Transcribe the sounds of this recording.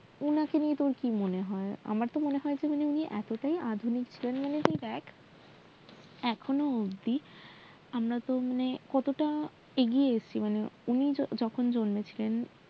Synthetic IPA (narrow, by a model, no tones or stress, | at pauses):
unakeniet̪oɾkimoneɦɔea̰maɾt̪omoneɦɔed͡ʑemaneuniʔɛ̰t̪oʈajʔad̪ʱunikt͡ɕʰilenmanet̪ejbɛk | ɛkʰonood̪i | amɾat̪omanekɔt̪oʈa | eɡijeeʃt͡ɕʰimaneunid͡ʑɔkʰond͡ʑonmet͡ɕʰilen